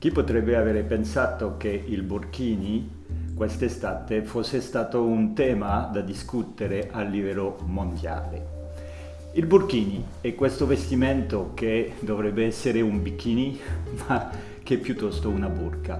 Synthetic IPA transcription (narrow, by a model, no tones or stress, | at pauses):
k̟ipːot̪ɾɛbːeaveːɾepensaːt̪okeilburkiːni | kwest̪est̪aːt̪efosːest̪aːt̪ount̪ɛːmad̪ad̪iskut̪eɾeʔalːivɛlːomond̪ja̰ːlḛ | ilburkiːni | ɛkːwest̪ovest̪imɛnt̪oked̪ovɾɛbːeɛsːeɾeumbikːiːnima | k̟ɛpːjut̪ːɔst̪ounaburka